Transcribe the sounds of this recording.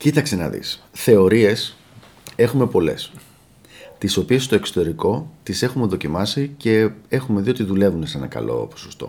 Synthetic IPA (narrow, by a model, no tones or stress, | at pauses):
cit̪ɐkse̞nɐ̰ðḭs | θe̞o̞ɾie̞s | e̞xume̞po̞le̞̰s | t̪iso̞pie̞st̪oe̞kso̥t̪e̞ɾiko̞t̪ise̞xume̞ðo̞cimɐsice̞e̞xume̞ðio̞t̪iðule̞vunese̞nɐkɐ̰lo̞̰po̥sost̪o̞̰